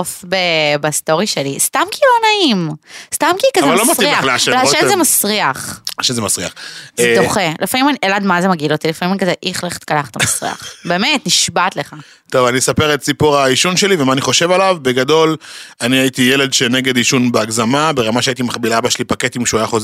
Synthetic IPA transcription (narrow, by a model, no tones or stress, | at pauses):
ofbebast̪o̞ʁiʃelist̪amkilonaimst̪amkikazvevallomaiiaaʃelaʃezemasʁiaχaʃezemasʁiaχed̪oχelefamimaniʔelad̪mazemaɡilot̪ilefamimanikazeʔiχleχe̥t̪kalaχt̪amasʁḭa̰χbemet̪niʃbat̪leχa | t̪ovanisape̞ʁet̚t͡sipuʁaiʃunʃe̞livemaːniχo̞ʃe̞valavbeɡado̞laniait̪ijele̞d̪ʃeneɡe̞d̪iʃunbeaɡzamabe̞ʁamaʃeait̪̬imaχbilabaʃelipaket̪imʃuajaχoz